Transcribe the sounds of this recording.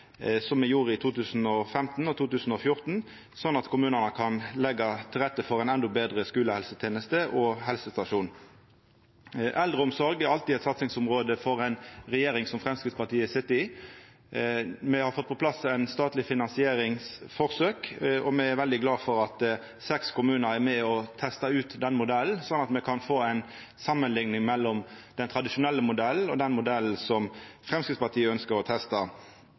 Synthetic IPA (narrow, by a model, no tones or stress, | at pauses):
sɔmːɛjuːʁəɪt̪ʰuːt̪ʰʉːsn̩ɔfɛmt̪n̩ɔt̪ʰuːt̪ʉːsn̩ɔfjʊʁt̪n̩ | sɔnːɑt̪kʰʊmʉːnənəkʰɑnlɛɡːɑt̪ʰɪlʁɛt̪ːəfɔʁɛɪnɛnd̪ɔbeːd̪ʁəskʉːləhɛlsət̪ʰjeːnəst̪əʔɔɦɛlsəst̪ɑʂuːn | ʔɛld̪ʁəʊmsɔɾɡɛʁɑlt̪iːɛt̪sɑt̪sɪŋsʊmʁoːd̪əfɔʁɛɪnʁɛjeːɾɪŋsɔmfʁɛmskɾɪt̪spɑʁt̪iːəsɪt̪ɪ | mɛhɑɾfɔt̪̚ːpʰɔplɑsæɪnst̪ɑːt̪lɪfɪnɑnsɪeːɾɪŋsfɔʁsøːkɔmɛæɾʋɛld̪ɪɡlɑːfɔɾɑt̪ | sɛkskʊmʉːnəɾæʁmɛɔt̪ʰɛst̪ɑʉːt̪d̪ɛnːmʊd̪ɛlːnsɔnːɑt̪mɛkʰɑnfoːæɪn | sɑmːənlɪŋnɪŋmɛlːɔmd̪̥ɛnt̪ʰʁɑd̪ɪʃʊnɛlːəmʊd̪ɛlːɔd̪ɛnmʊd̪ɛl̩sɔmfʁɛmskɪt̪spɑt̪ʰiːəœnskəɾɔt̪ʰɛst̪ɑ